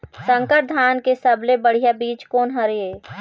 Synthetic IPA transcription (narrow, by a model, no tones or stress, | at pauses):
sə̃ŋkəʈ̚d̪ʱaːnkesəblebəɽ̤ijabiːt͡ʃkoːnɦɐɾeeː